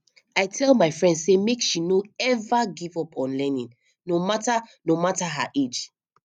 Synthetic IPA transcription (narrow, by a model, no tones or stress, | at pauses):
aɪtʰɛlˠmaɪfɹɛ̃ndsemekʃinoɛvaɡivɔpʰɔ̃nlɛnĩn | nomatanomataɦa̰ʔed͡ʒ